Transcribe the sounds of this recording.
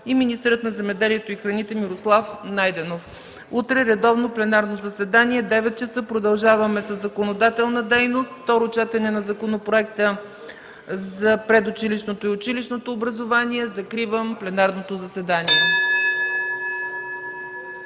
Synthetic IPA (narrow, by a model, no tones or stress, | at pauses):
iminist̪ɛɾət̪nɐzɛmɛd̪ɛliɛt̪oixɾɐnit̪ɛmiɾoslˠafnajd̪ɛnof | ut̪ɾɛɾɛd̪ɔvnoplɛnaɾnozɐsɛd̪aniɛd̪ɛvɛt̪̚t͡ʃɛsɤpɾod̪ɐlˠʒavɐmɛsəzːɐkonod̪at̪ɛlˠnəd̪ɛjnost̪ft̪ɔɾot͡ʃɛt̪ɛnɛnɐzɐkonopɾoɛkt̪ə | zɐpɾɛd̪ʊt͡ʃiliʃnot̪oiʊt͡ʃiliʃnot̪oːbɾɐzovaniɛzɐkɾivəmplɛnaɾnot̪ozɐsɛd̪aniɛ